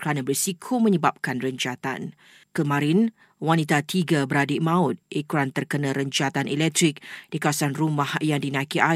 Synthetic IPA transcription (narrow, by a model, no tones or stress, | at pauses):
kəɾanabərsikʰomə̃ɲəbap̚kanrəɲt͡ʃat̪a̰n | kəmãɾɪn | wanit̪at̪iɡabəɾadiʔmãʊt̪̚ʔekɾant̪ərkənãɾəɲt͡ʃat̪anʔɛlɛk̚t̪ɾik̚d̥ikawasanrumahjaŋdinãkiʔa